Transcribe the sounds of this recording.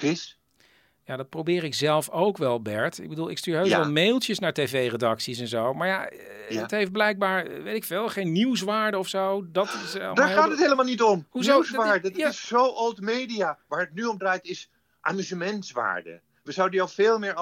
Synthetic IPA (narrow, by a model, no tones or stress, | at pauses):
ɪs | jadɑt̚prowbɪːɾɪkz̥ɛlˠfowkʋɛlˠbɛɹtɪ̰ɡ̚bədulˠɪ̰kstyːɹɦojɛlˠmejlˠtjəsnaːɹtevejredɑksis̬ɛnzowmaːɹja | ətɦejft̚blɛjk̚baːɹʋejtɪkfɪːlˠχejnːiws̬ʋaːɹdəɔfsowdɑtɪsɛldaɹaːtətɦejləmalˠnitɔmɦuzosʋaːɹdəaɪszowʔolˠtmejdijaːʋaːɹətnyɔmdrajtɪs | ʔa̰ːmyzəmɛntsʋa̰ːɹdə̰ | ʋəzawdədijɔlfeːlˠmɪːɹ